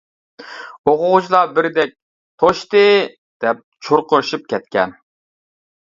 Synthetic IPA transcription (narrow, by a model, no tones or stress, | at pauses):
oqʊʁʊt͡ʃʰlˠɑbɪɾd̪ɛk̚ʲ | t̪ʰoʃt̪ɨ | d̪̥ɛp̚t͡ʃʰoɾqʰʊɾʃup̚kʲɛt̪̚kʲɛn